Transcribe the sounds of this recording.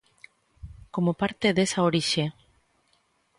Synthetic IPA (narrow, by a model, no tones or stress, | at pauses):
komopaɾt̪eðesɐoɾiʃe